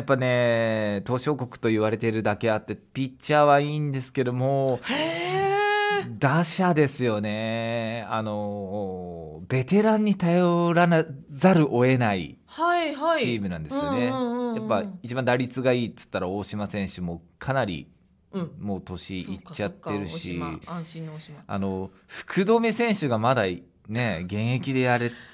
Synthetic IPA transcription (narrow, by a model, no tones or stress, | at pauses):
japːane̞t̪o̞ːɕo̞ːko̞kɯ̟̥t̪o̞iβaɾe̞t̪e̞ɾɯ̟d̪ake̞at̪ːe̞pʲit͡ɕːɕaːβaiːnd̪e̞sɨ̥ke̞d̪o̞moːe | d̪aɕad̪e̞sɨjo̞ne̞ | ano̞ | be̞t̪e̞ɾãɲ̟ːit̪ajo̞ɾanazaɾɯ̟ʔo̞e̞naḭ | haihat͡ɕiːmɯnãnd̪e̞sɨjonejappːait͡ɕibãnd̪aɾʲit͡sɨɡaiːt͡sɨ̥t̪ːaɾaoːɕimasẽ̞ɰ̃ɕɨmo̞ːkʰanaɾʲḭ | mo̞ːt̪o̞ɕiːt͡ɕːat̪ːe̞ɾɯ̟ɕi | a̰no̞ | ɸɯ̟̥kʰɯ̟d̪o̞ːmesẽ̞ɰ̃ɕɨɡamad̪a | ne̞ɡẽ̞ɰ̃e̞kʲid̪e̞jaɾe